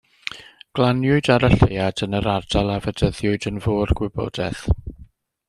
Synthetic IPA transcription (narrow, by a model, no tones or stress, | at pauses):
ɡ̥lˠanjʊɨdaɾəɬejadənəɾardalˠavədəðjʊɨdənvoːrɡwɪbɔ̰dɛθ